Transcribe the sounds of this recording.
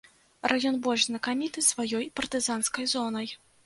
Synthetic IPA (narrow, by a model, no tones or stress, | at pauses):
rajɔnbɔlʲʐznɐkamʲit̪ɨsvajɔjpɐrt̪ɨzanskɐjzɔnɐj